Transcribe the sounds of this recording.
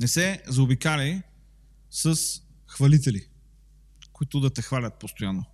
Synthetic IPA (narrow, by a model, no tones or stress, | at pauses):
nɛsɛzːbikalij | səs | xvɐlit̪ɛli | koit̪ʊd̪ɐt̪ɛxvalʲət̪̚post̪ojanːo